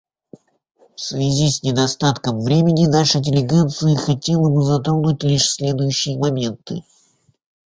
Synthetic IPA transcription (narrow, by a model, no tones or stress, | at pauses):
fsvʲɪzʲisʲnʲɪd̪ɐst̪at̪kəmvɾʲemʲɪnʲɪnaʂɨdʲɪlʲɪɡat̪sɨjəxɐtʲe̞lˠəbɨzɐt̪ɾonʊtʲlʲiʂsʲlʲe̞d̪ʊjʉɕːɪjəmɐmʲe̞nt̪ɨ̰